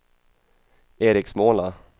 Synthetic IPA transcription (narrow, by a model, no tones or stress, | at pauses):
eːɾɪksmoːna